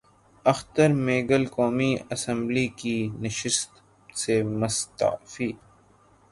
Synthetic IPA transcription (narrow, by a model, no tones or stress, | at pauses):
ɐxt̪əɾmeːɡəlkoːmiɐsə̃mblikinɪʃɪst̪ | semɐst̪a̰fiː